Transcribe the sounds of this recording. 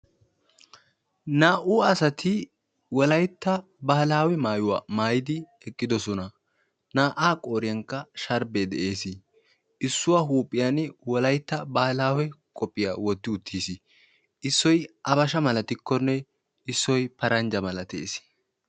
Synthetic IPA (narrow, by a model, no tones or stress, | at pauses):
naːʔuːɐsɐt̪ʰɪ | wɔlɐjt̪ːɐ | bɐhlaːwɛmaːjʊwaːmaːjɪd̪ɪ | ɛkʼːɪd̪ɔsɔnɐ | naːʔaːkʼo̞ːɾɪjɐŋkːɐʃɐɾbed̪ɛ̰ʔe̞ːsɪ | ʔɪsːʊwaɦuːpʼːɪjɐnwɔlɐjt̪ːɐbɐhɐlaːwɛkʼɔpʼːɪja̰wɔt̪ːɪʊt̪ʰːiːsɪ | ʔɪsːɔjʔɐbɐʃɐmɐlɐt̪ɪkːɔnːɛ | ɪsːɔjpɐɾɐnd͡ʒɐmɐlɐt̪ḛːsɪ̥